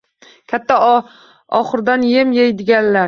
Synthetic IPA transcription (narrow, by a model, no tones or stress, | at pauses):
kʲʰat̪ʰːa | ɒχɨɾd̪anjemjejd̪ɪɡʲanlaɾ